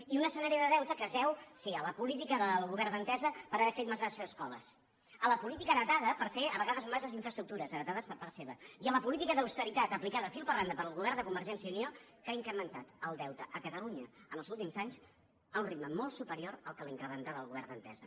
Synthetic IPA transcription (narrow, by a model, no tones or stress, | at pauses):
iunəsənaɾiəðəðɛwt̪əkəzðɛwsiələpulit̪ikəðəlˠɣuβɛɾrd̪ənt̪ɛzəpəɾəβɛfet̪mazɣasəzəskɔlə̰s | ələpulit̪ikəɾət̪aðəpəɾfeəβəɣaðəzmazəziɱfɾəst̪ɾuk̚t̪uɾəzənət̪aðəspəɾpaɾt̪seβəiələpulit̪ikəðəwst̪əɾit̪at̪əplikaðəfilˠpərand̪əpəɾəlˠɣuβɛrnd̪əkumbəɾʒɛnsiəunio | kaiŋkɾəmənt̪at̪əlˠd̪ɛwt̪əʔəkət̪əluɲəənəlˠzulˠt̪imzaɲs | əunrit̪̚məmɔlˠsupəɾioɾəlˠkəliŋkɾəmənt̪alðəlɣuβɛrnd̪ənt̪ɛ̰zə